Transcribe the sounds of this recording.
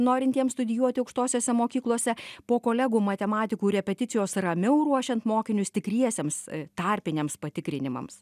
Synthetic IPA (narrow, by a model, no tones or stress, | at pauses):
noːɾʲɪnt̪ʲiɛmst̪ʊd̪ʲɪjuɔt̪ʲɪɐʊkʃt̪oːsʲoːsʲɛmoːkʲiːklˠoɔsʲɛpoːkoːlʲɛɡuːmɐt̪ʲɛmɑːt̪ʲɪkuːɾʲɛpʲɛt̪ʲɪt̪sʲɪjoːsrɐmʲɛʊɾuɔʃʲɛnt̪moːkʲɪnʲʊst̪ʲɪkɾʲiɛsʲeːmst̪ɑːɾʲpʲɪnʲeːmspɐt̪ʲɪkɾʲɪnʲɪmɐ̰ms